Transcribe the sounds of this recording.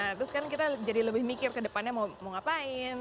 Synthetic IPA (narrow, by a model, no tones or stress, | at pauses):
at̪ɾʊskankit̪ad͡ʒadiləbɪhmikɪrkədəpanɲamaumʊŋapaɪn